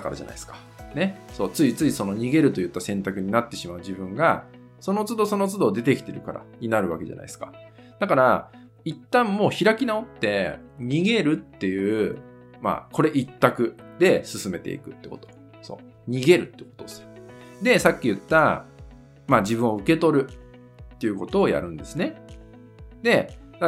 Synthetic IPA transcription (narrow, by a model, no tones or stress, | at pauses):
akaɾaʑana̰isɨ̥kḁ | ne̞so̞ːt͡sɨit͡sɨiso̞no̞ɲ̟iɡe̞ɾɯ̟t̪o̞jɯ̟t̪ːasẽ̞nt̪akɯ̟ɲ̟inat̪ːe̞ɕimaɯ̟ʑibɯ̟̃ŋɡa | so̞no̞t͡sɨd̪o̞so̞no̞t͡sɨd̪o̞d̪e̞t̪e̞kʲi̥t̪e̞ɾɯ̟kaɾa̰ɲ̟inaɾɯ̟βa̰ke̞ʑa̰na̰isɨ̥kḁ | d̪akaɾa | it̪ːãmːo̞ːçiɾakʲinao̞t̪ːe̞ɲ̟iɡe̞ɾɯ̟t̪ːe̞jɯ̟ː | ma̰ko̞ɾe̞ʔit̪ːakɯ̟d̪e̞sɨsɨme̞t̪e̞̰ḭkɯ̟t̪ːe̞ko̞t̪o̞̥ | so̞̰ː | ɲ̟iɡe̞ɾɯ̟t̪ːekot̪osd̪e̞sakʲːijɯ̟t̪ːa | mad͡ʑibɯ̟̃ɰ̃o̞ɯ̟ke̞t̪o̞ɾɯ̟ | t̪ːe̞jɯ̟ko̞t̪o̞ːja̰ɾɯ̟̃nd̪e̞sɨne̞ | d̪e̞d̪a